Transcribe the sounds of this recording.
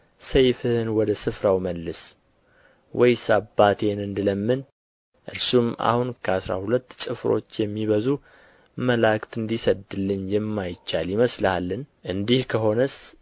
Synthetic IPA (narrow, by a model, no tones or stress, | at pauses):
səjfɨhɨnwɔd̪əsɨfɾawməlːɨs | wɔjsabːat̪ʰe̞nɨnd̪ɨləmːɨn | ʔɨɾsuma̰hunkʰəasɾa̰hulət̪ːt͡ʃʼɨfɾo̞̰t͡ʃːjɛmːiβəzu | məlakt̪ɨnd̪isəd̪ɨlːɨɲjɛmːajɪt͡ʃːaljɪməslhalːɨnʔɨnd̪ihkʰəɦo̞nəs